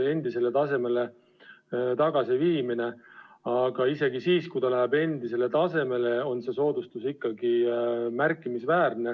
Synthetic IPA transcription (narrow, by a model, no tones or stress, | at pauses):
e̞nd̪̥ise̞le̞t̪ɑse̞me̞le̞ | t̪ɑɡ̥ɑsiviːmineɑɡ̥ɑise̞ɡ̥isiːskujt̪ɑlæɦebe̞nd̪ise̞le̞t̪ɑse̞me̞le̞o̞nse̞so̞ːd̪̥ust̪usikːɑɡ̥imærkːˑimisvæːrne̞